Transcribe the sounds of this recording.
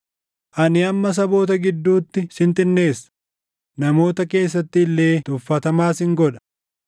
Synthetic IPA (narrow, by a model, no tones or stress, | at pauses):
ʔɐnɪɐmːɐs̬ɐbo̞ːt̪ɐɡɪd̪ːuːt̪ːɪsɪnt̪ɪnːe̞ːsːɐ̥ | nɐmo̞ːt̪ɐke̞ːs̬ːɐt̪ːɪlːe̞ːt̪ʊfːɐt̪ɐmaːsɪŋɡɔᶑɐ̥